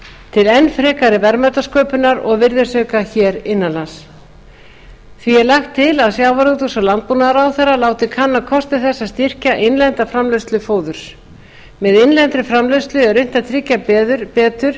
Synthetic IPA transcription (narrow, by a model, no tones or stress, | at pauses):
t̪ʰɪlɛnːfɾɛːkaɾɪvɛɾmœɥt̪askœːpʏnaɾɔ̰ɣvɪɾðɪ̥sœːkaçɛːɾɪnːanlans | θviɛɾlaxt̪ʰːɪlaðsjaːwvaɾut̪ʏsalant̪̚puːnaðɾawθɛrːalaːwt̪ɪkʰanːakʰɔst̪ɪθɛsːast̪ɪr̥caʔejnlɛnt̪afɾamlœst̪lʏfoːwðʏɾ̥s | mɛðejnlɛnt̪ɾʏfɾamlœst̪lʏɛɾʏjn̥t̪at̪ʰɾɪcːapɛːðʏɾ̥pɛːt̪ʏɾ̥